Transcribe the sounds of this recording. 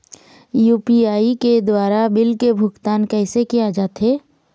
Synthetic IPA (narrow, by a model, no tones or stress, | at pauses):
juːpiaːiked̪waːɾabɪlkebʱʊɡt̪aːnkɛːsekijad͡ʒaːt̪ɦɛː